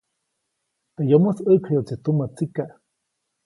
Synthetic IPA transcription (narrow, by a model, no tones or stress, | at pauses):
t̪ejomosəkʰajot͡sit̪umat͡sikaʔ